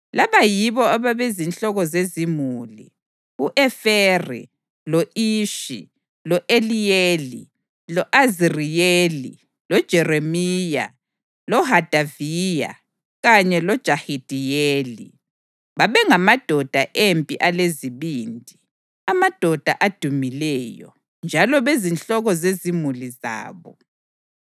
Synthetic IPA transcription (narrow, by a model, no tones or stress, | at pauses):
laβajiβɔaβaβezinɬɔɣɔzezimuːlḭ | uʔɛfɛrɛ̰ | loiːʃi | lɔʔelijelḭ | lɔʔazirijelḭ | lɔd̥ʒ̥ʱɛɾemiːja̰ | lɔhad̥ʱavija̰ | ɣaɲɛlɔd̥ʒ̥ʱahid̥ʱijeːlḭ | βaβɛŋamad̥ʱɔd̥ʱaʔempʼiʔaleziβiːndʱi | amad̥ʱɔd̥ʱa̰ʔad̥ʱumilɛjɔ̰ | nd͡ʒʱalɔβezinɬʼɔɣɔzezimuliza̰ːβɔ